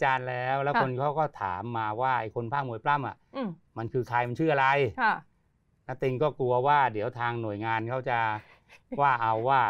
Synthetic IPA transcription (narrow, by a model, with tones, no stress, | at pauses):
t͡ɕaː˧nlɛː˦˥wlɛː˦˥kko˧nkʰa˦˥˩wkɔː˥˩t̪ʰa̰ː˩˦mːaː˧waː˥˩ʔa˧˩jkʰo˧npʰaː˥˩nu˨˩əjpla˥˩mʔa̰˨˩ʔma˧nkʰɯː˧kʰa˧jma˧nt͡ɕʰɯː˥˩ʔa˧ɾa˧j | na˦˥t̪i˧ŋkɔː˥˩ku˧ɐwaː˥˩di˩˦əwt̪ʰaː˧ŋnu˨˩əjŋaː˧nkʰa˦˥wt͡ɕa˨˩ | waː˥˩ʔa˧wːaː˥˩